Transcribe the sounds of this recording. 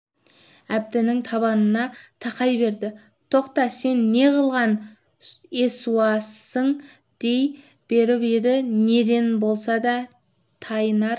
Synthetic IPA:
æb̚d̪ɪnɪŋt̪ʰɑβɑnənɑt̪ʰɑqɑjbe̞ɾd̪ɪ | t̪ʰo̞qt̪ɑse̞nːe̞qəlˠʁɑn | esuɑsəɴ | d̪̥e̞j | b̥e̞ɾɪped̪ɪne̞d̪e̞nbo̞lˠsɑd̪ɑ | t̪ʰɑjənɑɾ

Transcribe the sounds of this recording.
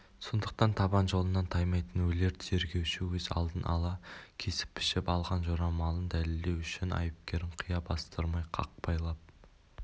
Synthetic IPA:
so̞nd̪əq̚t̪ɑnt̪ʰɑbɑnʒo̞lˠənːɑnt̪ʰɑjmɑjt̪ənwɵle̞ɾt̪ʰɪze̞ɾɡʲe̞wʃɪwɵzɑ̰lˠd̪ənʔɑ̰lˠɑkʲʰe̞sɪ̥pːʰɪ̥ʃɪpɑlˠʁɑnʒoɾɑmɑlˠənd̪ælɪld̪e̞wʏʃɪnɑ̰jəp̚kʲe̞ɾɪɴqʰijɑbɑst̪əɾmɑjqʰɑ̰q̚pɑjlˠɑp̚

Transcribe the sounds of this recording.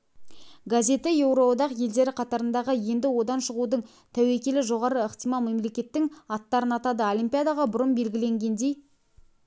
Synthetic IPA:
ɡazʲe̞t̪ɪje̞wɾod̪ɑqje̞ld̪e̞ɾɪqʰɑt̪ɑɾənd̪ɑʁəje̞nd̪ɪwo̞d̪ɑnʃəʁud̪əɴ | t̪ʰæwe̞kʲe̞lɪʒo̞ʁɑɾəəqt̪ijmɑlˠme̞mle̞kʲe̞t̪ːɪŋɑt̪ːɑɾənɑt̪ɑd̪əolʲijmpʲijad̪ɑʁɑbʊɾəmbe̞lɡʲɪle̞ŋɡʲe̞nd̪e̞j

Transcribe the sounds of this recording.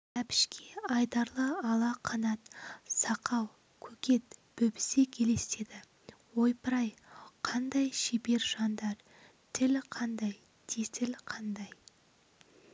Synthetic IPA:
æpʰɪ̥ʃkʲʰe̞ɑjd̪ɑɾlˠəɑlˠɑqʰɑnɑt̪sɑqɑw | kʲʰɵkʲe̞t̪b̥ɵbɪ̥se̞kʲʰe̞le̞se̞d̪ɪ | wo̞jpʰəɾɑjqʰɑnd̪ɑjʃebe̞ɾʒ̥ɑnd̪ɑɾ | t̪ʰɪlqʰɑnd̪ɑj | t̪ʰet̪ɪlqʰɑnd̪ɑj

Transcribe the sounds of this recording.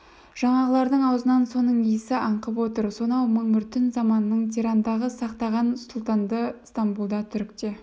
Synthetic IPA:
ʒ̥ɑɴɑʁəlˠɑɾd̪əɴɑwzənɑnso̞nəɴijɪsɪʔɑɴqəpwo̞t̪əɾso̞nɑwməɴʏɾt̪ɪnzɑmɑnənəɴt̪ʰiɾand̪ɑʁəsɑqt̪ɑʁɑnsʊlˠt̪ɑnd̪əst̪ambulˠd̪ɑt̪ʰʏɾkt̪e̞

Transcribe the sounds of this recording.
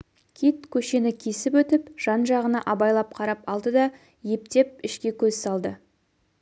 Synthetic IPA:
kʲʰit̪kʲʰɵʃe̞nɪkʲʰe̞sɪpwɵt̪ɪpʒ̥ɑnʒɑʁənɑ̰ʔɑbɑjlˠɑp̚qʰɑɾɑpɑlˠd̪əd̪ɑ | je̞p̚t̪e̞p̚ɪʃkʲe̞kʲʰɵzsɑlˠd̪ə

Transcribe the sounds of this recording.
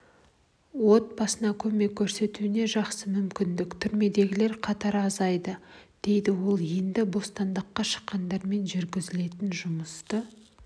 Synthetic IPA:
wo̞t̪̚bɑsənɑkʲʰɵme̞kʲʰːɵɾse̞t̪uɪne̞ʒɑqsəmʏmkʲɪnd̪ɪkt̪ʰʏɾme̞d̪e̞ɡʲɪle̞ɾqʰɑt̪ɑɾɑzɑjd̪əd̪̥e̞jd̪ɪwo̞lˠje̞nd̪ɪbo̞st̪ɑnd̪əqːɑʃə̥qːɑnd̪ɑɾme̞nʒʏɾɡʲɪzɪle̞t̪ɪnʒʊməst̪ə

